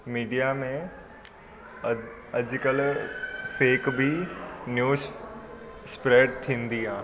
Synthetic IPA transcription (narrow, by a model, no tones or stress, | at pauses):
miːɖijamẽ | əd͡ʒkəl | pʰeːkbʱinjuːs | spɾeːɖt̪ʰĩːnd̪iɦãː